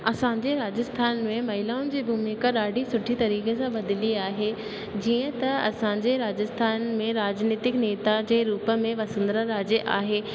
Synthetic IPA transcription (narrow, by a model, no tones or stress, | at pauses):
ɐsãɲd͡ʑeɾaːd͡ʑəst̪ʰaːnmẽmɐɦɪlaːʊnɪ̆d͡ʑeːbʱumiːkəɗaːɖisʊʈʰit̪ɐɾiːkesãbɐd̪ɪliaːɦe | d͡ʑiːə̃t̪ɐɐsãɲd͡ʑeɾaːd͡ʑəst̪ʰaːnmẽɾaːd͡ʑniːt̪ɪkneːt̪ad͡ʑeːɾuːpə̆mẽʋɐsə̃nd̪ɾəɾaːd͡ʑəʔaːɦeː